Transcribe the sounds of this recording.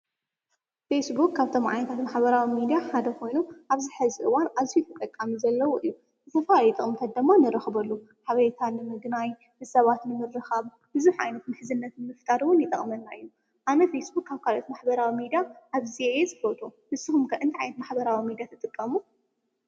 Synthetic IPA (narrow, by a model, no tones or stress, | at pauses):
fesbukːaβt̪ʰomʕa̰jnɐt̪ʰat̪maħbɐɾawimid̪ijaħad̪ɐkʰo̞jnuʔaβzɨħɨziʔɨwanʔazijut̪ʰɐt̪ʼɐkʼːamizɐlːɐwuʔɨjːu | zɨt̪ʰɐfaljt̪ʼɨχʼmɨt̪ʰɐt̪̚d̪ɨmːanɨɾɐxbɐlːu | ħaβɐt̪ʰanɨmɨɡnaj | ɨsɐβat̪nɨmɨrːɨxɐβ | bɨzuħʕa̰jnɐt̪mɨħɨzɨnːɐt̪nɨmɨft̪ʼaɾwʊnjɪt̪ʼɐ̰χʼmɐnːaʔɨjːu | ʔanɐfesbukːaβkʰalot̪maħbɐɾawimid̪ijaʔaβziezɨfɐt̪ʰʼuhɨsɨxumkʰɐɨnt̪ʰiʕa̰jnɐt̪maħbɐɾawimid̪ijat̪ʰɨt̪ʼɨkʼːɐmu